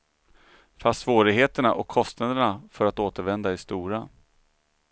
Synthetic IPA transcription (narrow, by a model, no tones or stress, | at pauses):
fast̪svoːɾɪɡɦeːt̪əɳaʔɔkʰːɔst̪nad̪əɳafœɾat̪oːt̪əɾvɛnd̪aɪst̪uːɾa